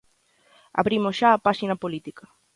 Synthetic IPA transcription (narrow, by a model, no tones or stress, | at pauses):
a̰βɾimosʃaːpaʃinɐpolit̪ika